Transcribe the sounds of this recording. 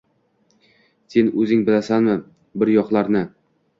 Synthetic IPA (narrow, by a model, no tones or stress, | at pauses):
se̞nɵzɪŋbɪlasanmɪ | bɪɾjɒqlˠaɾnɪ